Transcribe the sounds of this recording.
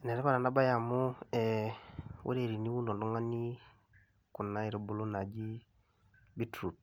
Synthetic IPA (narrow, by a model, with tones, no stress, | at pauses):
ne˨ɾe˦ka˦ɾa˨nda˦ba˦ja˨mu˦ɛ˨ | wʔḛ˦ɾe˨ɾi˨ni˦wu˦no˨ndu˦ŋa˦ni˦ | ku˨na˦i˦ɾo˨˦bu˨lo˦na˨d͡ʒi˦ | bi˦tɾu˨t̚